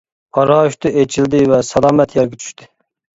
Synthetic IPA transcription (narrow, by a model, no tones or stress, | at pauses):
ɑɾɑːuʃt̪ɨʔet͡ʃʰild̪ɪvɛsɑlˠɑːmɛt̪ʰjɛɾɡʲɛt͡ʃʰy̥ʃt̪ʰɪ